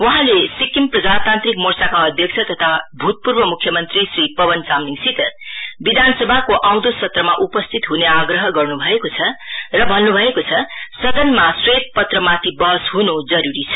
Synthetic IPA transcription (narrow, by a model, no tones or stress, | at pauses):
wʌɦãlesikːimprʌd͡zat̪ant̪rikmorsakaʌd̪ʱjʌk̚t͡sʰʌt̪ʌt̪ʰabʱut̪̚purbʌmukʰːjʌmʌnt̪risripʌbʌnt͡samniŋsit̪ʌrbid̪ʱansʌbʱakoʔaw̃d̪osʌt̪rʌmaʔupʌst̪ʰit̪ɦuneaɡrʌɦʌɡʌrnubʱʌekot͡sʰʌrʌbʱʌnːubʱʌekot͡sʰʌsʌd̪ʌnmaswʌt̪̚pʌt̪rʌmat̪ʰibʌɦʌsɦunud͡zʌɾuɾit͡sʰʌ̥